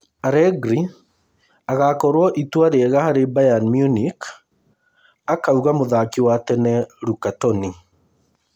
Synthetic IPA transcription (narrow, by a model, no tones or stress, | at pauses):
aɾɛɡɾi | aɣakɔɾwɔʔitwaɾeɛɣahaɾebajanmjunik | akauɣamoðakiwatɛnɛɾukatɔni